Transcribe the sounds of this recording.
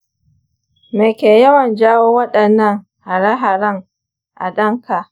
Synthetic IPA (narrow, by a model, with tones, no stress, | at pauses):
me˨kʲeː˨jɐ˦wɐ˨nd͡ʒaː˦woː˦wɐ˦ɗɐ˨nːɐ˦˨ŋ | ha˨ɽa˦ɦa˨ɾɐ˦ŋ | ʔa̰˨ɗɐ˦ŋka˨ʔ